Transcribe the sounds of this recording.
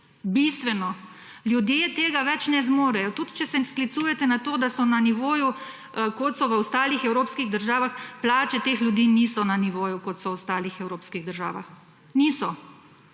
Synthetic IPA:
bist̪ʋɛnɔ | ljud̪jet̪eːɡaʋɛt͡ʃnɛzmoːɾɛjɔt̪ud̪t͡ʃɛsɛsklit̪sujɛt̪ɛnat̪oːd̪asɔnaniʋoːju | kot̪sɔʋəɔst̪aːlixɛwɾoːpskiɣd̪əɾʒaːʋaxplaːt͡ʃɛt̪eːxljud̪iːnisɔnaniʋoːjukɔt̪sɔɔst̪aːlixɛwɾoːpskiɣd̪əɾʒaːʋa̰x | niːsɔ

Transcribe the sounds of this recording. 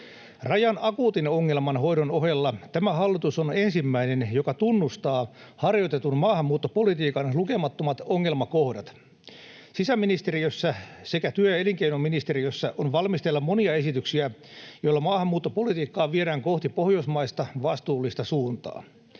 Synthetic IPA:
rɑjɑnɑkuːt̪inoŋːelmɑnhojdonoɦelːɑt̪æmæhɑlːit̪usonensimːæinenjokɑt̪unːust̪ɑːhɑrjot̪et̪unmɑːhɑmːuːt̪ːopolit̪iːkɑnluke̞mɑt̪ːomɑt̪oŋːelmɑkohdɑt̪ | sisæmːinist̪eɾijøsːæse̞kæt̪yøjɑeliŋkeinomːinist̪eɾijøsːæʔonʋɑlmist̪elːɑmmo̞niɑe̞sit̪yksiæjoilːɑmɑːhɑmːuːt̪ːopolit̪iːkːɑːʋieɾæːŋkoht̪ipohjosmɑist̪ɑʋɑst̪uːlːist̪ɑsuːnt̪ɑ̰ː

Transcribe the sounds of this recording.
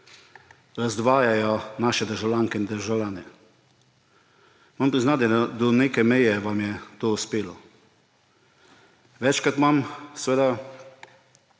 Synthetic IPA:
ɾazd̪ʋaːjajɔnaːʃɛd̪əɾʒawlʲjaːŋkɛind̪əɾʒawlʲjaːnɛ | mampɾiznat̪ɛd̪ɔneːkɛmɛjɛʋamjɛt̪oːuspeːlɔ | ʋɛt͡ʃkɾat̪mamsʋeːd̪a

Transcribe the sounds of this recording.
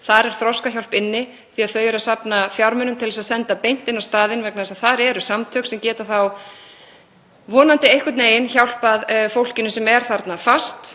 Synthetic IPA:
θaɾɛɾ̥θɾɔskaçjawl̥pɪnːɪ | θiaðθœɥjʏɾasapnafjawɾmʏnʏmt̪ʰɪlɛsaðsɛnt̪apejn̥t̪ɪnːawst̪aːðɪnvɛknaðɛsaðθaɾɛɾʏsamt̪ʰœksɛmcɛːt̪aθaw | vɔːnant̪ɪejhkʏt̪neːjɪnçawl̥paðfowl̥cɪnʏsɛmɛɾ̥θaɾt̪nafast̪

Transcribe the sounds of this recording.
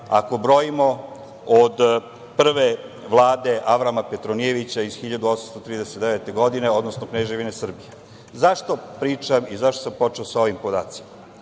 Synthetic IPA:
a̰ko̞bɾo̞jimo̞ | od̪ | pr̩ʋe | ʋlˠaːd̪e̞ʔaʋɾamapet̪ɾonieʋit͡ɕaiz̥xiʎad̪uosamst̪o̞t̪ɾiːd̪eset̪d̪eʋet̪e̞ɡo̞d̪ine̞o̞d̪nosnokneʒeʋine̞sr̩bije | zaʃt̪o̞pɾiːt͡ʃamizaʃt̪osampo̞t͡ʃeosao̞ʋimpod̪a̰ːt̪si̥ma

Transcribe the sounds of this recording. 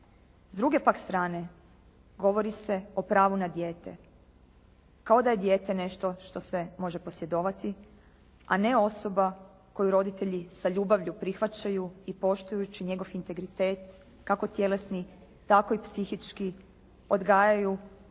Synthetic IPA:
zd̪ɾuɡe̞pakst̪ɾaːne̞ | ɡo̞ʋo̞ɾise̞o̞pɾaːʋunad̪je̞ːt̪e̞ | kao̞d̪aje̞d̪je̞ːt̪ene̞ʃt̪o̞ʃt̪o̞se̞mo̞ʒe̞po̞sje̞d̪o̞ːʋat̪i | a̰ne̞o̞so̞ba | ko̞juɾo̞d̪it̪e̞ʎisaʎuːbaʋʎupɾixʋat͡ɕajuipo̞ʃt̪ujut͡ɕiɲe̞ɡo̞ʋint̪e̞ɡɾit̪e̞ːt̪ | kako̞t̪je̞lesni | t̪ako̞ipsixit͡ʃki | o̞d̪ɡaːjaju

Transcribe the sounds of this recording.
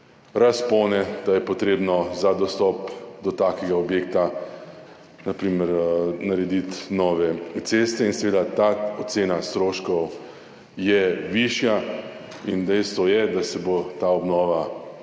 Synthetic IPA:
ɾaspɔːnɛd̪̥ajɛpɔt̪ɾeːbnɔzad̪ɔst̪ɔpd̪ɔt̪aːkɛɡaɔbjek̚t̪a | napɾiːmɛɾnaɾɛd̪it̪nɔːʋɛt̪seːst̪ɛinsɛʋeːd̪at̪aɔt̪seːnast̪ɾoːʃkɔw | jɛʋiʃja | ind̪ɛjst̪ʋɔjɛd̪asɛbot̪aɔbnɔːʋa

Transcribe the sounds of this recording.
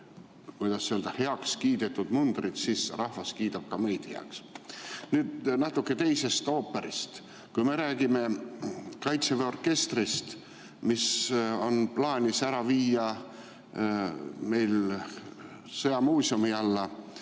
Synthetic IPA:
kujd̪ɑsːeold̪̥ɑhe̞ɑkskiːd̪̥et̪ːˑud̪̥mund̪̥rid̪̥sisrɑhvɑskiːt̪ɑb̥̚kɑmejd̪̥heɑ̰ksnyːd̪nɑt̪ːukːe̞t̪e̞jse̞st̪o̞ːpːe̞ɾist̪ | kujme̞ɾæːɡ̥ime̞ | kɑjt̪seveo̞rke̞st̪rist̪ | miso̞nplɑːnʲisæɾɑviːjɑ | me̞jl | sɤjɑmuːsiumiɑlːɑ

